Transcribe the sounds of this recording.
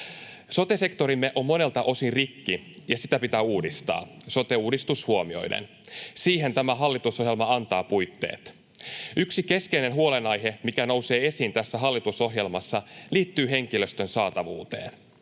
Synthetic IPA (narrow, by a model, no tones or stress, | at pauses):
so̞t̪e̞se̞kt̪o̞ɾimːeʔo̞mːo̞ne̞lt̪ɑʔo̞sinrikːijɑsit̪æpit̪æːuːdist̪ɑ̰ːso̞t̪e̞uːdist̪ushuomio̞̰jdḛn | siːɦe̞nt̪æmæɦɑlːit̪usohjelmɑɑnt̪ɑːpujt̪ːḛːt̪ | yksike̞skeine̞nɦuo̞lenɑjɦe̞mikæno̞wse̞ːe̞siːnt̪æsːæɦɑlːit̪uso̞ɦje̞lmɑsːɑliːt̪ːyːɦe̞ŋkilø̞st̪ø̞nsɑːt̪ɑʋṵːt̪ḛːn